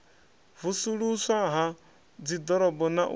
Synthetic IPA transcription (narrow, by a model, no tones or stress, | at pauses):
vusuɺusaɦa | d͡zid̪ɔɾɔbɔna̰ʔ